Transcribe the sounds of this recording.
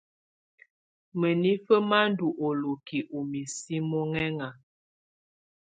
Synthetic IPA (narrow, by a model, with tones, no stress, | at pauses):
mə˨ni˦fə˦ma˦n˦du˨ʔo˨lo˨ki˨ʔu˨mi˨si˦mɔ˦ŋɛ˦ŋa˨